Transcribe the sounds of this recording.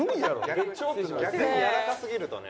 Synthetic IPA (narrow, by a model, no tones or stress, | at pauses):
oɲijaɾo̰at͡ɕoɡʲakɯɲijaɾasasɨɡʲiɾɯ̟t̪o̞̰ne